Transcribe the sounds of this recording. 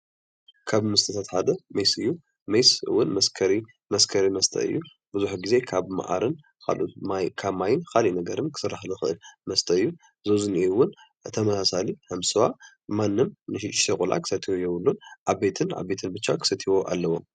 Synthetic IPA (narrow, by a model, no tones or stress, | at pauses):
kʰaβmɨst̪ʰɨt̪ʰat̪ħad̪ɐmɐjsɨjːu | mɐjsɨwʊnmɐskʰɐɾi | mɐskʰɐɾimɐst̪ʰɐ̰ɨ̰jːu | bɨzuħɡize̞kʰaβma̰ʔa̰ɾɨn | kʰa̰lʔṵt̪mkʰaβmajɪnkʰalinɐɡɐɾɨnkʰɨ̥sɨraħlɨxɨʔɨlmɐst̪ʰɐɨjːu | zozɨniwʊn | t̪ʰɐmɐsasalihɐmsɨwa | manːɨmnɨʃʃekʼulʔa̰kʰɨ̥sɐt̪ʰiwojɛβɨlːunʔaβbe̞t̪ʰɨna̰βbe̞t̪ʰɨnbɨt͡ʃːakʰɨ̥sɐt̪ʰiwo̞ʔa̰lːɐwːom